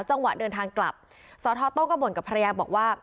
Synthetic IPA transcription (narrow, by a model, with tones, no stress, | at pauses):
wt͡ɕa˧˩ŋwa˨˩dɤː˧nt̪ʰaː˧ŋkla̰˨˩p̚ | sɔː˨˦t̪ʰɔː˧˥t̪o˥˩kɔː˥˩bu˨˩˦nka˨˩pʰa˧a˧jaː˧bɔː˨˩k̚waː˥˩